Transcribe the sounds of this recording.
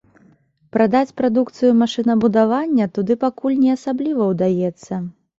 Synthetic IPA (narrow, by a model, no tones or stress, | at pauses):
pɾad̪at͡sʲpɾad̪ukt̪sɨjumaʂɨnɐbud̪avanʲːɐt̪ud̪ɨpakulʲnʲɛasablʲivɐwd̪ajɛt̪sːɐ